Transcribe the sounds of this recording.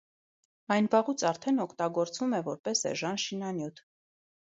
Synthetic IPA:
ɑjnbɑʁut͡sʰɑɾt̪ʰɛnɔkʰt̪ɑɡɔɾt͡svumɛvɔɾpɛsɛ̰ʒɑnʃinɑnjut̪ʰ

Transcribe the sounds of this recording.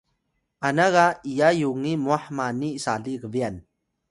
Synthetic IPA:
anaɣaijajuŋimuaħmanisaɮiɡəvian

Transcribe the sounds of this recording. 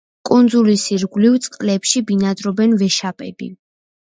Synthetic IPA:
kʼund̪zulisiɾɡlivt̪sʼqʼlɛpʃibinad̪ɾɔbɛnvɛʃapʼɛbḭ

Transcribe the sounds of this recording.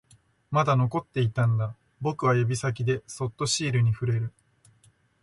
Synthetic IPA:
mad̪ano̞ko̞t̪ːe̞it̪ãnd̪a | bo̞kɯ̟β̞ajobʲisak̬ʲid̪e̞so̞t̪ːo̞ɕiːɾɯ̟ɲ̟iɸɯ̟ɾe̞ɾɯ̟

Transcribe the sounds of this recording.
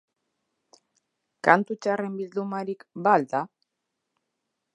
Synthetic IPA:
kant̪ut͡ʃare̞mbild̪umaɾikbald̪a

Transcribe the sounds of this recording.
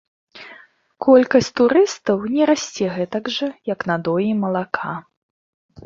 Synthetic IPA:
kʰɔlʲkɐsʲt͡sʲt̪uɾɨst̪ɐwnʲɛɾasʲt͡sʲɛɣɛt̪ɐɡʐɐjɐknad̪ɔjimɐlˠakʰa

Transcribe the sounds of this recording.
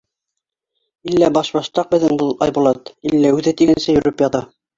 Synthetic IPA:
ilːæbɑʃbɑʃt̪ɑq̚bɘ̆ðɘŋbɤlˠɑ̰jbulˠɑt̪ilːæʉðɘt̪iɡɘnsɘjɵ̆ɾɘpjɑðɑ

